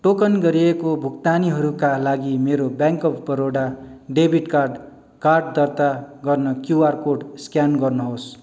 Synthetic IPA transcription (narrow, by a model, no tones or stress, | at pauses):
ʈokʌnɡʌɾiekobʱukt̪aniɦʌɾukalaɡimeɾobjaŋkʌpʰbʌɾoɽaɖebʱiʈkarɖ | karɖd̪ʌrt̪aɡʌrnʌkjuarkoɖskjanɡʌrnʌɦos